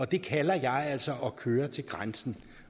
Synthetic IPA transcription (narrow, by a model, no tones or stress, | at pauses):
ɒ̽d̥e̝kʰælɐjɑ̈ɪæl̰sɒʔɒkʰøːɐt͡sʰe̝lɡ̥ʁansn̩